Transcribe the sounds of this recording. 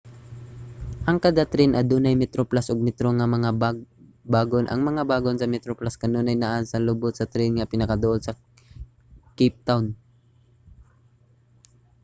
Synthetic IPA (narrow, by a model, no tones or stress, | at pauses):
ʔɐŋkad̪at̪ɾɪnʔɐd̪uːnajmɛt̪ɾoplasʔoɡ̚mɛt̪ɾoŋɐmɐŋa | baːɡonʔɐ̰ŋmɐŋabaːɡonsɐmɛt̪ɾoplaskɐnonɐjnaʔansɐlʊbʊt̪̚sɐt̪ɾɪnŋɐpɪnɐkɐd̪ʊʔod̪sɐ | kip̚t̪awn